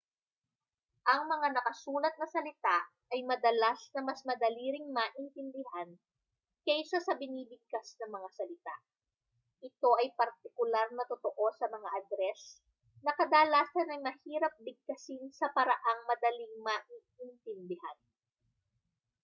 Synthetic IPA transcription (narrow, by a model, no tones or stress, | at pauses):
ʔɐŋmɐŋanɐkɐsuːnɐt̪̚nɐsɐlɪt̪aʔ | ɐjmɐd̪ɐlasnɐmɐsmɐd̪ɐliːɾɪŋmaʔɪnt̪ɪnd̪ɪhan | kɛjsɐsɐbɪniːbɪɡ̚kasnɐŋmɐŋasɐlɪt̪a̰ʔ | ʔɪt̪o̞ʔɐjpɐɾt̪ɪkʊlaɾnɐt̪ot̪oʔo̞sɐmɐŋaʔɐd̪ɾɛs | nɐkɐd̪aːlaːsɐnɐŋmɐhiːɾɐp̚d̪ɪɡ̚k̪ɐsinsɐpɐɾɐʔaŋmɐd̪ɐliŋmaʔiːʔɪnt̪ɪnd̪ɪhan